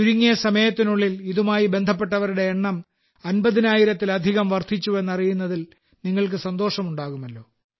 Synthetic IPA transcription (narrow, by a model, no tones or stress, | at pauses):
uɾuŋːijɐsɐmɐjɐt̪ːinuɭːiliðumaːjibe̞nd̪ʱɐp̬ːe̞ʈːɐʋɐɾuɽe̞ːɳːɐm | ɐnbɐðinaːjiɾɐt̪ːilɐd̪ʱiɣɐmʋɐrt̪ʰit͡ɕːue̞nːɐrijunːɐðil | niŋːɐɭk̬ɨsɐnd̪o̞ːʂɐmuɳɖaːɣumɐlːo̞ː